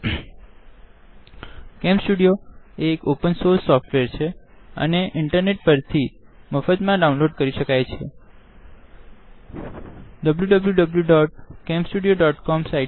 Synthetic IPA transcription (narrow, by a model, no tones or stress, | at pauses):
kẽmsʈuɽijoekopənsoɾsːɔfʈʋeɾt͡ʃʰeə̰neʔɪɳʈəɾneʈ̚pəɾt̪ʰiməfət̪mãɖaũnloɖkəɾiʃəkajt͡ʃʰḛ | ɖəbljuɖəbljuɖəbljuɖɔʈ̚kempsʈuɖijoɖɔʈkɔmsaj